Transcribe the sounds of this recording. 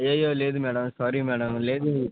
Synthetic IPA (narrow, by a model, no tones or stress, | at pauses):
jɐjoːleːd̪umɛːɽɐmsɔːɾimɛːɽɐmleːd̪u